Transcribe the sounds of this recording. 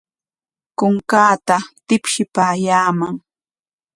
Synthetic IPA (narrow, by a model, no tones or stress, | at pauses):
kʊŋkaːt̪at̪ɪpʃɪpaːjaːmaŋ